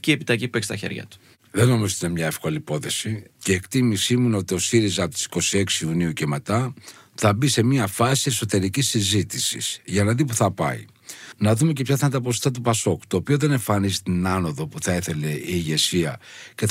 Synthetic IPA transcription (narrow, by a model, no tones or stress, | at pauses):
ciepit̪ɐʝipuekst̪ɐçḛɾʝɐ̰t̪u̥ | ðeno̞mizot̪inemɲɐe̞fko̞lipo̞θe̞siceːkt̪imisimuno̞t̪io̞siɾizɐpot̪isi̥ko̞sie̞ksiuniuce̞me̞t̪ɐ | θɐbise̞miɐfɐsie̞so̞t̪e̞ɾicisːizit̪isḭsʝɐnɐðipuθɐpɐ̰ḭ | nɐðume̞ce̞pçɐθɐnd̪ɐposft̪ɐt̪upɐso̞ku̥t̪o̞ːpio̞ðe̞ne̞ɱfɐnizit̪inɐno̞ðo̞puθɐeθe̞le̞iːʝe̞siɐce